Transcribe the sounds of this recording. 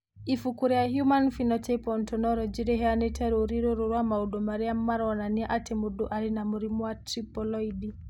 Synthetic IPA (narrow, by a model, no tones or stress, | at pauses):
ifukuɾɛahjumanfinɔtɛpɔntɔnɔɾɔd͡ʒiɾɛɦɛanɛtʰɛɾoɾiɾoɾoɾwamaudɔmaɾiamːaɾwɔnaniaʔatɛmoduʔaɾinamoɾimuatɾipɔlɔidi